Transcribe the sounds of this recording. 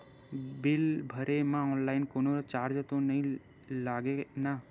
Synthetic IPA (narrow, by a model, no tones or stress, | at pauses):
bɪlbʱəɾemãɔːnlaːɪnkoːnoɾt͡ʃaːɾd͡ʒt̪onɐɦĩ | laːɡena